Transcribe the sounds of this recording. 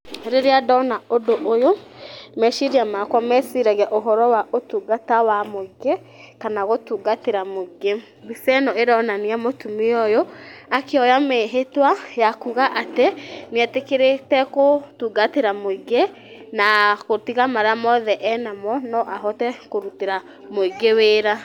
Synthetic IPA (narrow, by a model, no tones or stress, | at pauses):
ɾeɾeadɔnaodoʔojomɛʃiɾiamakwɔmɛsiɾaɣɛʔoɦɔɾɔwaʔotuːɡatawamoiɡe | kanaɣotuːɡateɾamoiɡe | bisɛnɔeɾɔnaniamotumeɔjoakeɔjameɦetwajakuɣaʔateniɛtekeɾetɛkotuɡateɾamoiɡe | nakotiɣamaɾamɔðɛʔɛnamɔnɔʔaɦɔtɛkoɾuteɾa | moiɡeweːɾa